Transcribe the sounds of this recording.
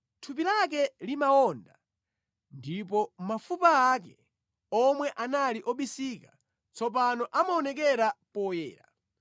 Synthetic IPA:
tʰup̬ilak̬ɛlimaɔnda | ndipɔm̩mafupaakɛ | ɔmwɛʔanaliʔɔɓisika | t͡sɔpanɔʔamaɔnɛk̬ɛɾapɔjɛːɾa̰

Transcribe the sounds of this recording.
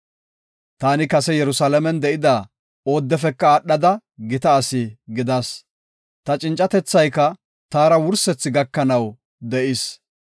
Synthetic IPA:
t̪aːnɪkɐsɛjɛɾʊsaːlɐmɛnd̪ɛʔɪd̪aː | o̞ːd̪ːɛfɛkːɐaɗːɐd̪ɐ | ɡɪt̪ɐːsɪɡɪd̪ɐs | t̪ɐt͡ʃʼɪnt͡ʃʼːɐt̪ɛt͡sːɐjkːɐ | t̪aːɾɐwʊɾsɛt͡sːɪɡɐkːɐnɐw | d̪ɛʔɪs

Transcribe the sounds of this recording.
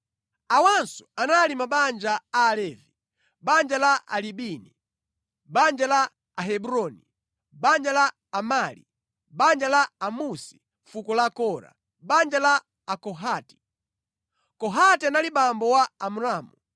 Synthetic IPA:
awansɔ̥analimaɓand͡ʒaaːlɛːvi | ɓand͡ʒalaʔaliɓini | ɓand͡ʒalaː | ɦɛbuɾɔni | ɓand͡ʒalaː | maːlḭ | ɓand͡ʒalaːmusi̥ | fukɔlakɔɾa̰ | ɓand͡ʒalaː | kɔɦaːti̥ | kɔɦatianaliɓambɔwaamuɾaːmu

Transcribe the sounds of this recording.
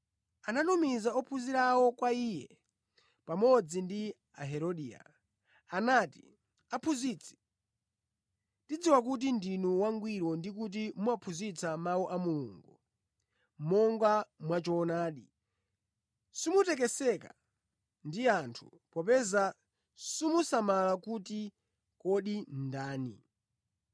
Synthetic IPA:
ananɔmizaɔpʰuziɾawɔkwaiːjɛ̰ | pamɔd͡zindi | aɦɛɾɔɗiːa̰ | anati | apʰuziːt͡sʰi̥ | tid͡ziwak̬ut̬indinuwaŋɡwiɾɔndik̬ut̬imuwapʰuzit͡sʰamawuʔamulṵːŋɡu | mɔŋɡamwat͡ʃɔnaːɗi | sumutɛk̬ɛsɛka̰ | ndiantʰu̥̰ | pɔpɛza | sumusamalakuti | kɔɗindaːnḭ

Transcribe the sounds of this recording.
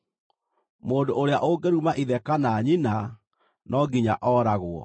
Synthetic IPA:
moːndoʔoɾeaʔoɡeɾumaʔiðɛkanaːɲina | nʔɔɡiɲa̰ʔɔːɾaɣoɔ̰

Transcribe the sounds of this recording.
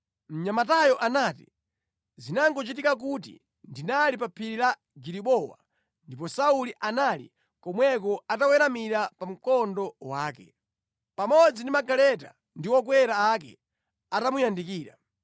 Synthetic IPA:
m̩ɲamatajɔʔanaːtḭ | zinaŋɡɔt͡ʃitikak̬ut̬ḭ | ndinalipapʰiɾila | ɡiɾiɓɔwa̰ | ndipɔsauliʔanalḭ | kɔmwɛk̬ɔatawɛɾamiɾapam̩kɔndɔwaːkɛ̰ | pamɔd͡zindimaɡalɛta̰ | ndiwɔkwɛɾaːkɛ̰ | atamujandikiːɾa̰

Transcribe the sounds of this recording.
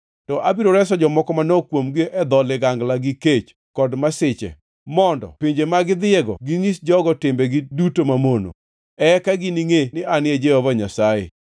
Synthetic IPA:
tɔʔabiɾoɾɛs̬ɔd͡ʒɔmɔkɔmanɔkwomɡɪʔɛd̪ɔlɪɡaŋɡlaɡɪket͡ʃ | kɔdmasɪt͡ʃɛ̰ | mɔndɔ̰piɲd͡ʒemaɡɪd̪ɪɛɡɔ̰ɡɪŋisd͡ʒɔɡɔtɪmbɛɡɪdutomamono̰ | ɛkaɡɪniŋenɪanɪed͡ʒewɔvaɲasajḛ

